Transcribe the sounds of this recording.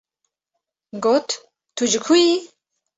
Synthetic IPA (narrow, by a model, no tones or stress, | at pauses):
ɡot̪ʰ | t̪ʰud͡ʒɨkʰuji